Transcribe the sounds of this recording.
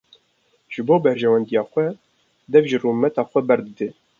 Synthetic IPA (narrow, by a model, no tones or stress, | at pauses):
ʒ̥ɨboːbɛɾʒɛwɛnd̪ijɑːxʷɛ | d̪ɛvʒɨrumɛt̪ɑːxʷɛbɛɾd̪ɨd̪eː